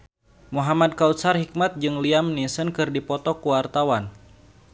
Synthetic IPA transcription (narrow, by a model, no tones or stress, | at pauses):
muɦamad̚kaut̪sarhik̚mat̪̚d͡ʒɨŋliamnisənkɨrdipɔt̪ɔkuwart̪awan